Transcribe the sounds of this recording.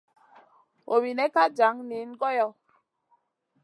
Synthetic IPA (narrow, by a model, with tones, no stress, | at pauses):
o˨mi˨nɛ˦ka˦d͡ʒa˨˦ŋni˨˦n˦ɡɔ˦jɔ˦